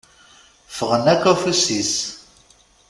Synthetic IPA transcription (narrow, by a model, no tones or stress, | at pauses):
fəʁənækːæfusis